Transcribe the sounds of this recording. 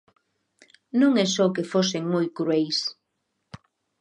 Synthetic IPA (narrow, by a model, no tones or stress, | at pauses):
nũŋɛsɔkefoseŋmojkɾuejs